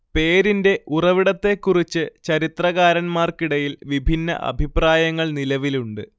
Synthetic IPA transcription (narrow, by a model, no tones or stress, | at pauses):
pe̞ːɾinde̞urɐʋiɽɐt̪ːe̞kːurit͡ɕːɨt͡ɕɐɾit̪rɐɣaːɾɐnmaːrkiɽɐjilʋibʱinːɐ̰ʔɐ̰bʱipraːjɐŋːɐɭnilɐʋiluɳɖɨ